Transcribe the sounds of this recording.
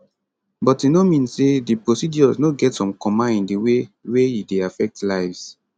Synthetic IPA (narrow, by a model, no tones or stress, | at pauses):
bɔtinomĩnsedipɹosid͡ʒɔznoɡɛtsɔ̃mkɔ̃mãĩndiwewejideafɛk̚tlaɪvs